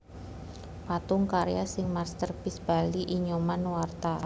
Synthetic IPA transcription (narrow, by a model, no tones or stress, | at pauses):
pat̪ʊŋkaɾejasɪŋmarst̪ərpɪsb̥aliʔiɲomanwart̪a